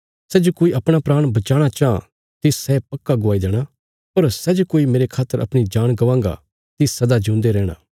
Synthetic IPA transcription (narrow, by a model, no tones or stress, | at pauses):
sɛːd͡ʒokoːiɐpɽ̃apɾaːɽ̃bɐt͡ʃaːɽ̃at͡ʃaːã | t̪ɪsːɛpɐkːaɡʊaːid̪ɛːɽ̃a | pɐɾsɛd͡ʒokoːimeːɾekʰaːt̪ːəɾɐ̰pɽ̃id͡ʒaːɽ̃ɡɐʋãːŋɡa̰ | t̪ɪssɐd̪ad͡ʒũːnd̪eɾɛːɽ̃ã̰ː